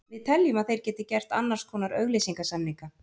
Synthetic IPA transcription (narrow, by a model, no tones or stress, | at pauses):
vɪðt̪ʰɛljʏmaðθejɾ̥cɛːt̪ɪ̥cɛr̥t̪anːaɾ̥skʰvɔːnaɾœɣlejsiŋkasamniŋka